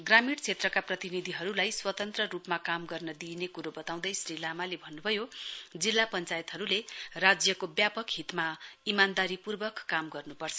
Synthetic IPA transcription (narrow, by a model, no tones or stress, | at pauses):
ɡramiɽt͡sʰet̪rʌkaprʌt̪inid̪ʱiɦʌɾulajswʌt̪ʌnt̪rʌɾupmakamɡʌrnʌd̪inekuɾobʌt̪aw̃d̪ʌjsrilamalebʱʌnːubʱʌjod͡zilːapʌnt͡sajet̪ɦʌɾulerad͡zjʌkobjapʌkɦit̪maimand̪aɾipurbʌkːamɡʌrnupʌrt͡sʰʌ